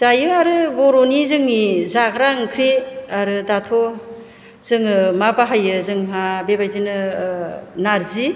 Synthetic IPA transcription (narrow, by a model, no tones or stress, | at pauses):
zajɯaɾɯbɔɾonizɯŋnizaɡɾaŋkʰɾiaɾɯdatʰɔ | z̥ɯŋɯmabaɦajɯzɯŋɦabebajtinɯ | naɾzi